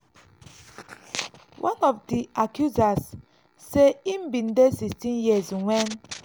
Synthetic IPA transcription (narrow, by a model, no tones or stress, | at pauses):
wʔãnɔfdiakjuzasː | eimbĩndesistĩnjiəzwɛ̃n